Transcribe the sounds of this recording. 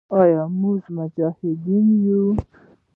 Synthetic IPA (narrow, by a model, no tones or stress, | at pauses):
ɑjɑmuzmʊd͡ʒɑhɪd̪inju